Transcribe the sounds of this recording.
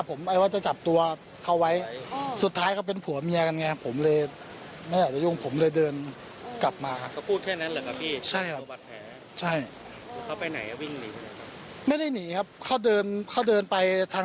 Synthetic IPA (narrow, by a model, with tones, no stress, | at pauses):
pʰːo˩˦mʔa˧jwaː˥˩t͡ɕa˨˩t͡ɕa˨˩p̚t̪u˧ɐ | kʰa˧˥˩wa˦˥jsu˨˩t̪ʰːaː˦˥jkʰaː˥˩p̬e˧npʰu˨˩˦ɐmi˧ɐka˧nŋa˧jʰpʰo˩˦mlɤː˧j | ma˥˩jaː˨˩t͡ɕa˨˩ju˥˩ŋpʰo˩˦mlɤː˧jdɤː˧n | kla˨˩p̚maː˧kʰa˧pʰuː˥˩t̪̚kʰɛː˥˩na˦˥nlaː˧˩jkʰa˦˥p̚pʰiː˥˩t͡ɕʰa˥˩jkʰa˦pa˨˩t̪̚pʰɛː˩˦ | t͡ɕʰa˥˩j | kʰa˦˥˩pa˧jna˩˦ja˧˩wi˥˩ŋni˨˦sʰa˥˩ma˦˥˩kʰa˦˥ | ma˥˩jda˥˩jniː˩˦kʰa˦˥p̚kʰa˥˩wdɤː˧nkʰa˥˩wdɤː˧npa˧jt̪ʰaː˧˥